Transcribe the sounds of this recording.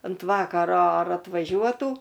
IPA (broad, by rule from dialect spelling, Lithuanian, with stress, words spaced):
ɐnt ˈʋɑːkɐroː ɐr ɐtʋɐˈʒʲuɔtuː